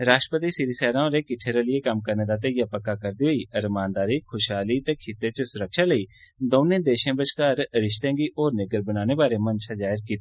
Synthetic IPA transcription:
ɾaːʃtʈɾəpət̪iːsɪɾisɛːɾãːõːɾeːkɪʈʰeːɾalɪeːkəmkəɾneːd̪aːt̪eːjaːpəkːakəɾd̪iːɦoːiːəɾmãːnd̪aːɾiːkʰʊʃɦaːliːt̪ẽːkʰɪt̪eːt͡ʃəsʊɾəkʃaːləiː | d̪oːnẽːd̪eːʃẽːbət͡ʃkaːɾɾɪʃt̪ẽːɡiːʔoːɾnɪɡəɾbənaːneːbaːɾemənt͡ʃʰad͡ʒaːɪɾkiːt̪e

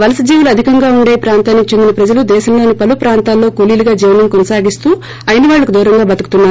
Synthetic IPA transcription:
ʋɐlɐsɐd͡ʒiːʋuluɐd̪ʱikɐŋɡaːuɳɖeːjipɾaːnt̪aːnːikit͡ʃe̞nd̪inɐpɾɐd͡ʒɐlud̪ɛːʃɐmlo̞ːnipɐlupɾaːnt̪aːlːo̞ːkoliːluɡaːd͡ʒiːʋnɐmkonɐsaːɡist̪uː | ɐjɐniʋaːɭːɐkud̪uːɾɐŋɡaːbɐt̪ɐku̥t̪unːaːɾu

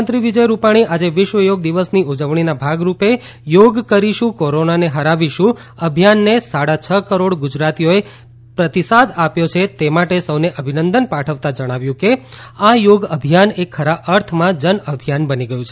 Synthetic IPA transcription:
nt̪ɾiʋid͡ʒəjɾupaɽ̃iʔad͡ʒeʋɪʃʋəjoɡ̚d̪iʋəsniud͡ʒəʋɳ̃inabʱaɡɾupe | joɡkəɾiʃũkoɾonaneɦəɾaʋiʃũ | əbʱijanːesaɽat͡ʃʰəkəɾoɽɡʊd͡ʒɾat̪ijoe | pɾət̪isad̪apjot͡ʃʰet̪emaʈesəʋneʔəbʱinənd̪ənpaʈʰəʋt̪ãd͡ʒəɽ̃aʋjũke | ajoɡəbʱijanekʰːəɾaəɾt̪ʰmãd͡ʒənəbʱijanbəniɡəjũt͡ʃʰ

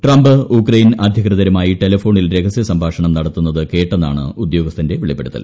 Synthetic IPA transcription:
ʈrɐmbɨukrɐjnɐd̪ʱjɐkrɨðɐɾɐmaːjiʈelɐfo̞ːɳilɾe̞kʰɐsjɐsɐmbʱaːʂɐɳɐmnɐɽɐt̪ːunːɐðɨke̞ːʈːenːa̰ːɳɨ̰ud̪jo̞ːɡɐst̪ʰɐnde̞ʋiɭipːeɽut̪ːɐ̰l

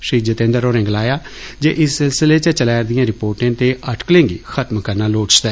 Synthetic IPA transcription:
ʃiːd͡ʒət̪ẽːnd̪əɾoːɾɪ̃ŋɡlaːjaː | d͡ʒḛːʔɪsːɪlsɪleːt͡ʃət͡ʃəlɛːɾd̪ɪjãːɾɪpoːɾʈãːt̪eːʔəʈklẽːŋɡiːxʰət̪mkəɾnaːloːʈt͡ʃd̪ɛː

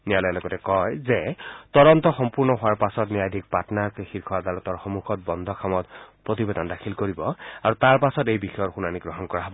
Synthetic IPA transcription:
nijalɔjalɔɡɔtɛkɔjzet̪ɔɾɔnt̪ɔxɔmpuɹnɔɦʊwaɹpasɔtnijad̪ʱik̚patɔnakxiɹkʰɔad̪aɹɔt̪ɔɹxɔmuxʰɔt̚bɔnd̪ʱɔkʰamɔtpɹɔt̪̬ibed̪ɔndakʰilkoɹibɔaɹut̪aɹpasɔtejbixɔjɔtxunaniɡɹɔɦɔnkɔɹaɦɔbɔ

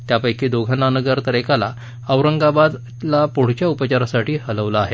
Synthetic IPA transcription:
t̪japəjkiːd̪oɡʱənanəɡəɾt̪əɾekala̰ | əʋɾəŋɡabad̪ | lapoɽ̤t͡ɕjaupət͡ɕaɾasaʈʰiːhələʋlaːɦe

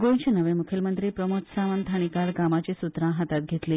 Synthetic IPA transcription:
ɡont͡ʃenəʋẽmukʰelmənt̪ɾipɾəmot̪saʋənt̪ʰaɽ̃ikalɡamat͡ɕesut̪ɾãɦat̪at̪̚ɡʱet̪le

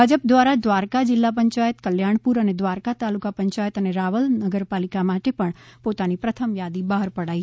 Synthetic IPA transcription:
ad͡ʒəpd̪ʋaɾad̪ʋaːɾkad͡ʒɪlːapə̃ɲt͡ʃaːjət̪kəljaːɳ̃puɾəned̪ʋaːɾkat̪alukapə̃ɲt͡ʃaːjət̪əneɾaːʋəlnəɡəɾpaːlikamaʈepəɳ̃pot̪anipɾət̪ʰəmjad̪ibəɦəɾpəɽaːi

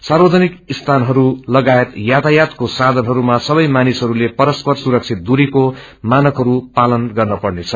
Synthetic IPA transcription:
sarbʌd͡zʱʌnikist̪ʰanɦʌɾulʌɡajet̪jat̪ajat̪kosad̪ʱʌnɦʌɾumasʌbʌjmanisɦʌɾulepʌɾʌspʌrsuɾʌk̚t͡sʰit̪̚d̪uɾiko | manʌkɦʌɾupalʌnɡʌrnʌpʌrnet͡sʰʌ

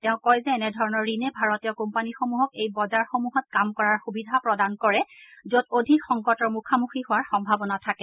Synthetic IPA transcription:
tɛʊ̃kɔjzɛːnɛdʱɔɹɔnɔɹːinɛbʱaɹotijɔkumpanixomuɦɔkejbɔzaɹxomuɦɔt̚kamkɔɹaɹxubidʱapɹɔdankɔɹɛzododʱikxɔŋkɔtɔɹmukʰamuxihʊwaɹxɔmbʱabɔnatʰakɛ

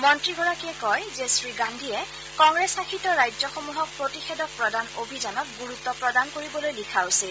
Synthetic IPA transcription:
mɔntɹiɡɔɹakiɛkɔjzesɹiɡandʱijɛ | kɔŋɡɹesakʰitɔɹajd͡ʒzɔxomuɦɔk̚pɹotixɛdɔk̚pɹɔdanobʱizanɔk̚ɡuɹut̪ːɔpɹɔdankoɹibɔlojlikʰawsil

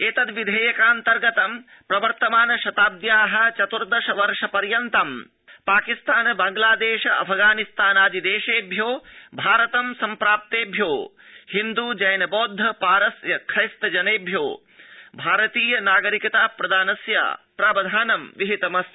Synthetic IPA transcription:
eːt̪ɐd̪ʋid̪ʱeːjɐkaːnt̪ɐɾɡɐt̪ɐm | pɾɐʋɐɾt̪ɐmaːnɐʃɐt̪aːb̚d̪jaːɦɐ̆t͡ʃɐt̪uɾd̪ɐʃɐʋɐɾʂɐpɐɾjɐnt̪ɐm | paːkist̪aːnɐbaːŋɡlaːd̪eːʃɐɐ̰pʰɐɡaːnist̪aːnaːd͡ʒid̪eːʃeːbʱjoːbʱaːɾɐt̪ɐmsɐmpɾaːp̚t̪eːbʱjoː | hind̪ud͡ʒɐjnɐboːd̪ʱːɐpaːɾɐsjɐkʰɾɐjst̪ɐd͡ʒɐneːbʱjoː | bʱaːɾɐt̪iːjɐnaːɡɐɾikɐt̪aːpɾɐd̪ʱaːnɐsja̰ːpɾaːbɐd̪ʱaːnɐmʋiɦit̪ɐmɐs

